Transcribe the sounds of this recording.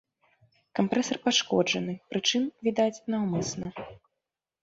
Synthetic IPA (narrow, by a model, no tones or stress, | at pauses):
kampɾɛsɐrpaʂkɔd͡ʐɐnɨpɾɨt͡ʂɨmvʲid̪at͡sʲnawmɨsnɐ